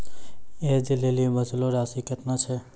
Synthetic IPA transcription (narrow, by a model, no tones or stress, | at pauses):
ed͡ʒilelibəd͡ʒloɾasiket̪nat͡ʃʰɛ